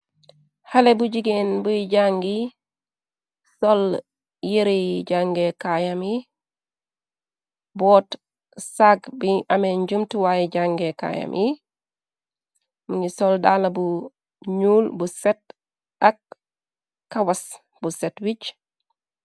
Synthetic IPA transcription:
halebuɟiɡenbuɟaŋɡi | sol | jiɾeɟaŋɡekajami | bɔːt | saɡbiʔameɲɟumtuwajiɟaŋɡeka̰ja̰mʔi | muɲisoldalabu | ɲuːlbusɛt̚ | akː | awas | busɛtwit͡ʃ

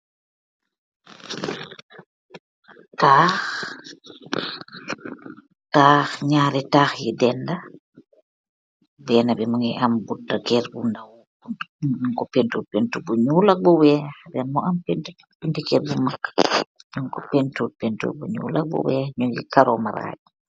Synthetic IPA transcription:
taːx | taːxɲaːɾɛtaːxjidɛnda | bɛːnabɛmuŋɛʔambudːakɛːɾbundaw | uɲuŋkɔpentupentubuɲuːlɐk̚buwɛːxdɛnmɔampentu | pintikɛɾbumakːɲuŋkɔpɛntut̚pɛntṵbuɲṵːlɐk̚bṵwɛːxɲɔd͡ʒḭkaɾɔma̰ɾa̰ːɟ

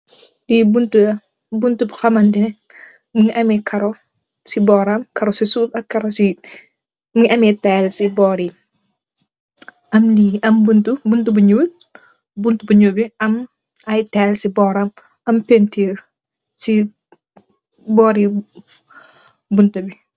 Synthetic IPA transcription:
dibuntuɐ | buntubxɐmɐndinɛ | muŋiʔɐmikʰɐɾɔ | sibɔːɾamkɐɾɔsisuːtɐkːɐɾɔsi | mŋiʔɐmitɛːlsibɔːɾi | ʔɐmliɐmbuntubuntubɐɲuːt̚ | buntubɐɲuːbiɐm | ɐjtɛlsibɔːɾam | ɐmpentiːr | si | bɔːɾi | buntɐbi

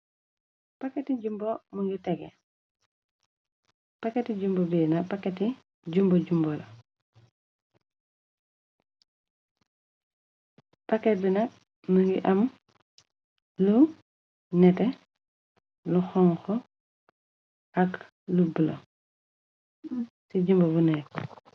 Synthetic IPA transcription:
pakːetiɟumbomuŋɡitɛɡḛ | pakːetiɟumbobinɐpakːeti | ɟumboɟumbɔlo | pakːet̚binɐk̚ | muŋɡiʔɐm | lu | nɛtɛ | luxɔŋxɔ | ʔak | lubilo̰ | siɟumbɐbunɛ

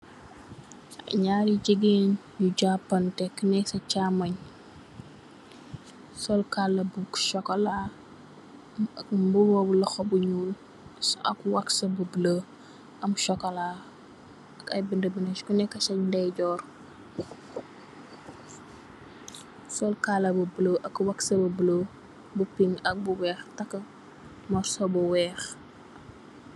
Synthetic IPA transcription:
ʔɐɲaːɾiɟəɡen | juɟapːɐntɛkːnɛksɐt͡ʃaːmɐɲ | sɔlkalːɐbukʃɔkɐla | mbuwɔːbulɐxɔbuɲuːl | sɐ̰kwaksɐbəblə | ɐmʃɔkːɐlaː | ɐkɐjbəndəbənɐt͡ʃkunɛkːɐt͡ʃɐɲndɛjɟɔːr | sɔlkaːlɐbubləʔɐkwɐksɐbɐblə | bupiŋɐk̚buwɛːxtɐkːɐ | mɔɾsɔbɔwɛːx

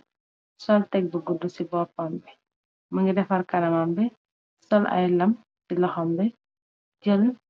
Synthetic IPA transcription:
sɔltɛk̚buɡudːusibɔpɐmbɛ | mɐŋɡidɛfɐrkɐnɐmɐmbɛ | sɔlʔɐ̰jlɐm | silɐhɔmbɛ | d͡ʒəl

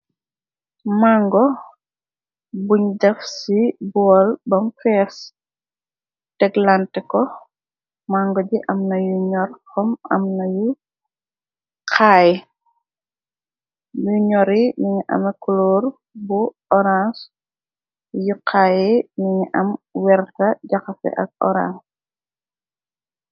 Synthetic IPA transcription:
maŋɡɔ | buɲdɐfsibɔlbɐmfɛːs | tɛɡlantɛkɔ | maŋɡɔd͡ʒiʔɐmnɐjuɲɔrxɔmɐ̰mnɐju | qʰaːjɛ | juɲɔɾiniɲiʔɐ̰mɐkulɔːr | bu | ɔɾas | juqʰaːjiniɲiʔɐmwɛɾtɐɟɐxɐfɛ̰ʔɐ̰k̚ɔ̰ɾa̰ns

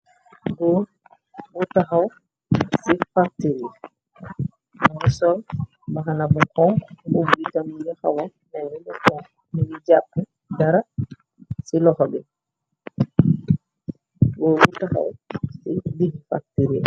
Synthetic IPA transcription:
ɡɔ | wutːaɦaw | sifak̚tiɾi | manisɔl | baɦanabukɔŋubuitamiɾɛha̰wa | nɛnibukɔŋ | minid͡ʒapːɛ | daɾa | silɔhɔbɛ | ɡɔwutaha̰wsidihfa̰k̚tiɾḭ

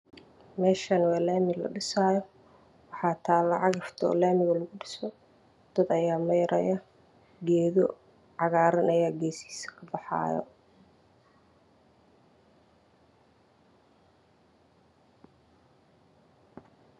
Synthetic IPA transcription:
mɛːʃɐnwɛːlaːmɪlɐ̰ɖɪsaːjɔ | wɑħɑːt̪ʰaːlɑʕɑɣɐft̪ʰːlaːmɪɣɐlɐɣʊɖɪsɔ | d̪̥ɐd̪ɐjaːmɐjɐɾʔɐjɐ | ɡɛːðɔ | ʕɑɣaːɾɪnɐjaːɡɛːsi̥ːsɐ̥kʰɐbɑħɑ̰ːjɔ̰

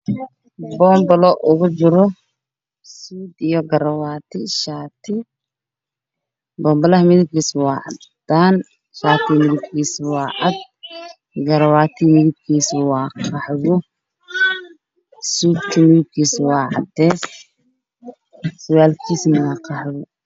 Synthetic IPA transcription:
bɔːmbɐlɔʔʊɣʊt͡ʃɪɾɔ | suːd̪ijɔɡɐɾɐwaːt̪ʰɪʃaːt̪ʰɪ | bɔːmbɐlɐɦɐmɪðɪb̚kʰiːswɑːʕɑ̰dd̪̥aːn | ʃaːt̪ʰɪmɪðɪb̚kʰiːswɑːʕɑd̪̚ | ɡɐɾɐwaːt̪ʰɪmɪɣɪb̚kʰiːswɑːqʰɑħɣʊ | suːd̪kʰɐmɪɣɪb̚kʰiːswɑːʕɑ̰d̪ɛːs | sʊwaːlkʰiːsnɐɣaqʰɑħɣʊ

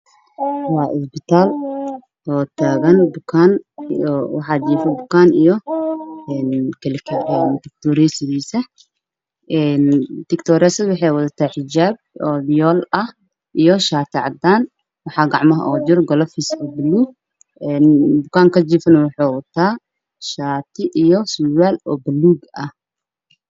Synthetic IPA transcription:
wɑːʔɪ̰sbɪt̪ʰaːl | ʔɔːt̪ʰaːɣɐnbʊkʰaːnɔwɑħɑːd͡ʒiːfɐbʊkʰaːnijɔ | ɛːnkʰɐlɪkʰɛɛnt̪ɪk̚t̪ʰɔːɾɛsɪdiːsɐ | ʔɛːnt̪ɪkt̪ʰɔːɾɛsɪwɑħɑjwɐðɐt̪ʰaħɪd͡ʒaːb̚ɔːljɔːlɐh | ʔijɔʃaːt̪ʰɪʕɑ̰d̪aːn | wɑħɑːɡɑʕmɐɦɐ̰ʔɔːd͡ʒʊrɡɔlɐfisɔbɐluːɡ̚ | ɛːnbʊkʰaːŋkʰɐd͡ʒiːfɐnɐwʊħoːwɐt̪ʰːaː | ʃaːt̪ʰɪʔijɔsuwaːlɔbɐlːuːɡɐh

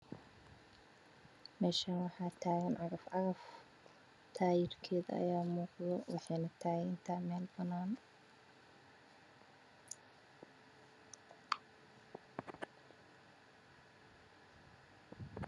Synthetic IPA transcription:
mɛːʃanwɑħɑːt̪ʰaːɣɐnʕɑɣɐfaːf | t̪ʰaːjɪrkʰɛːðɐɐ̰jaːmuːqðɔwɑħɑjnɐt̪ʰaːɣɪnt̪ʰaːmɛːlbɐnaːn

